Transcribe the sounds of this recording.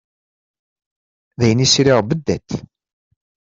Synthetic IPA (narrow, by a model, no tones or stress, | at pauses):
ðæjənisɾɪʁbəd̪ːæt̪